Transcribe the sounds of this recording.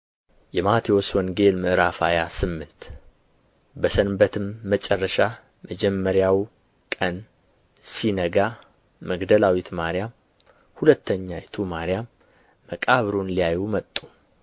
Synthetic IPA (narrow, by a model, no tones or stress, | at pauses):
jɛmat̪ʰiwoswɔŋɡe̞lmɨʔɨɾafajasɨmːɨnt̪ | bəsənbət̪ʰɨmːət͡ʃʼɛrːəʃa | məd͡ʒɛmːəɾjaw | kʼən | sinəɡa | məɡd̪əlawit̪maɾjam | hulət̪ʰːəɲːajɛt̪ʰumaɾjamː | əkʼaβɾonlijajumət̪ʼːu